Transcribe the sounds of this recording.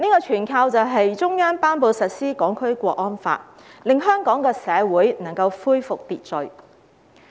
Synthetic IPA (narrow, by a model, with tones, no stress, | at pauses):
niː˥kɔː˧t͡ʃʰyː˨˩nkʰaː˧wt͡sɐ˨wɦɐ˨jt͡sʊ˥ŋjœː˥ŋpaː˥npo˨˧wsɐ˨t̚siː˥kɔː˨˥ŋkʰɵ˥ɥkʷɔː˧k̚ɔː˥nfa̰ː˧t̚ | lɪ˨ŋɦœː˥ŋkɔː˨˥ŋkɛː˧sɛː˨˧wuː˨˥jnɐ˨˩ŋkɐ˧wfuː˥jfʊ˨k̚t̪iː˨t̚t͡sɵ˨˩ɥ